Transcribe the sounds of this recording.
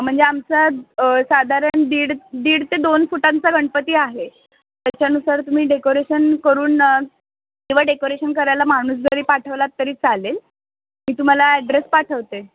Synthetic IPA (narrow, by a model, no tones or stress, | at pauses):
m̤əɳd͡zeamt͡sasad̪ʱaɾəɳd̪iːɽd̪iːɽt̪ed̪onfuʈãnt͡saɡʱəɳpət̪iːaɦe | t̪jat͡ɕjanusaɾt̪um̤iːɖekoɾeɕənkəɾuːn | kĩw̃ʋ̤aɖekoɾeɕənkəɾajlamaɽ̃uːs̬ɡəɾiːpaʈʰəʋlat̪ːəɾiːt͡salel | miːt̪um̤alaɛɖɾespaʈʰəʋt̪e